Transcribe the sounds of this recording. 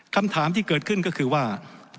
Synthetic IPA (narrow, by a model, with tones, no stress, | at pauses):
kʰa˧mt̪ʰaː˩˦mt̪ʰiː˥˩kɤː˨˩t̪̚kʰɯ˥˩nkɔ˥˩kʰɯː˧waː˥˩